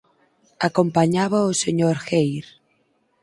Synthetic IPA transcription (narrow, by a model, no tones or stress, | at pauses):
akompaɲaβɐoseɲoɾxejɾ